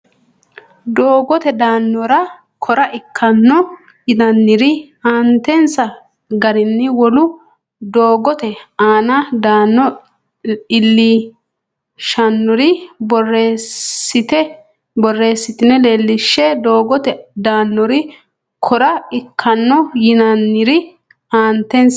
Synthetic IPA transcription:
d̪oːɡɔt̪ɛd̪aːnːɔɾɐ | kʰɔɾɐʔɪkʰːɐnːɔ | ɡɪd̪ɐnːɪɾɪ | aːnt̪ɛnsɐ | ɡɐɾɪnːɪwɔlʊ | d̪oːɡɔt̪ɛaːnɐd̪aːnːɔ | ɪlːi | ʃɐnːɔɾɪbɔreːɪt̪ɛ | bɔrːeːsːɪt̪ɪnːɛle̞ːlːɪʃːɛd̪oːɡɔt̪ɛd̪aːnːɔɾɪ | kʰɔɾɐɪkʰːɐnːɔjɪnɐnːɪɾɪ | aːnt̪ɛns

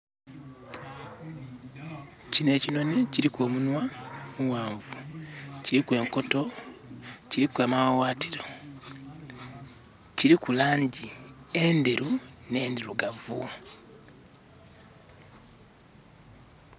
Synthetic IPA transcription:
cine̞ːcino̞ne̞ciɾikwo̞ːmunwamuwaːɱvuciɾikwe̞ːŋko̞to̞ | ciɾikwamawwaːtiɾo̞ | ciɾikulaːɲɟiendeɾune̞ːndiɾuɡavṵ

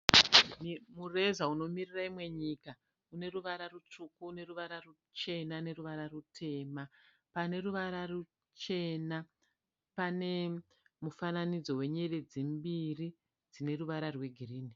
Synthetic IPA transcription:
nmure̞zauno̞miriraimwe̞ɲika | une̞ruʋaɾarut͡ʂukuːne̞ruʋaɾaru | t͡ʃe̞nane̞ruʋaɾarutʰe̞ːma | pane̞ruʋaɾaru | t͡ʃe̞na | pane̞ | mufananid͡zo̞we̞ɲe̞red͡zimbiri | d͡zine̞ruʋaɾarwe̞ɡʱiriːni

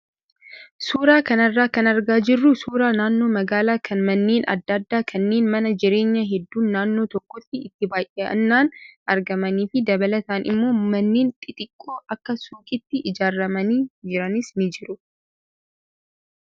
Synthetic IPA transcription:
suːɾaːkɐnɐrːaːkɐnɐɾɡaːd͡ʒɪrːʊsuːɾaːnaːnːo̞ːmɐɡaːlaːkʰɐnmɐnːeːnɐ̰d̪ːɐd̪ːaːkʰɐnːe̞ːnmɐnɐd͡ʒɪɾe̞ːɲːɐɦɛd̪ːuːnːaːnːo̞ːt̪ɔkːɔt̪ːɪɪt̪ːɪbaːjʔeʔɐ̰nːaːnʔɐɾɡɐmɐniːfɪd̪ɐbɐlɐt̪aːnɪ̰mːo̞ːmɐnːeːnt̪ʼɪt̪ʼɪkʼːoːʔɐkːɐsuːkʼɪt̪ːɪʔɪd͡ʒaːrːɐmɐniːd͡ʒɪɾɐnɪsnɪd͡ʒɪɾʊ

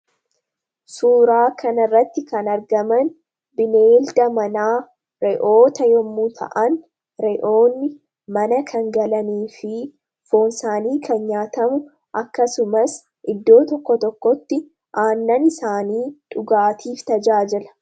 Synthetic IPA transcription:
suːɾaːkʰɐnɐrːɐt̪ːɪkɐnɐɾɡɐmɐn | bɪneːld̪ɐmɐnaː | ɾɛʔo̞ːt̪ɐjɔmːut̪ʰɐ̰ʔɐn | ɾɛʔoːnːɪ | mɐnɐkʰɐŋɡɐlɐniːfɪ | fo̞ːnsaːniːkʰɐnɲaːt̪ɐmʊ | ʔɐkːɐsʊmɐs | ʔɪd̪ːo̞ːt̪ɔkːɔt̪ɔkːɔt̪ːɪ | ʔaːnːɐnɪsaːniːᶑʼʊɡaːt̪ʰiːft̪ɐd͡ʒaːd͡ʒɪlɐ̥

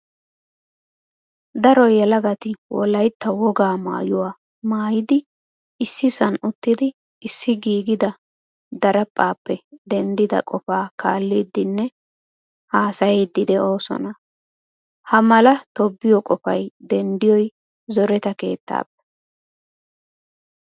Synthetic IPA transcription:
d̪ɐɾɔjɛlɐɡɐt̪ɪwɔ̰lɐjt̪ːɐwɔɡaːma̰ːjʊwaː | maːjɪd̪ɪ | ɪsːɪsɐnʊt̪ːɪd̪ɪ | ɪsːɪɡiːɡɪd̪ɐ | d̪ɐɾɐpʼːaːpːɛd̪ɛnd̪ɪd̪ɐ̰kʼɔfaːkaːlːiːd̪ːɪnːɛ | haːsɐjɛjd̪ːɪd̪ɛo̞ːsɔ̰nɐ | hɐmɐlɐt̪ɔbːɪjɔkʼɔfɐjd̪ɛnd̪ɪjɔj | zɔɾɛt̪ɐke̞̰ːt̪ːa̰ːpːɛ̥

